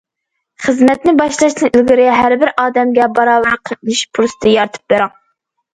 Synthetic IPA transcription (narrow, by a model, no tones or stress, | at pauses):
χəzmɛt̪̚nɪbɑʃlˠɑʃt̪ɨʔilɡʲɪɾɪɦæɾbɪɾʔɑːd̪ɛmɡʲɛbɑɾɑːwæɾqʰənɨʃpʰuɾsɨ̥t̪ʰɨjɑɾt̪ʰɨ̥p̚beɾɑŋ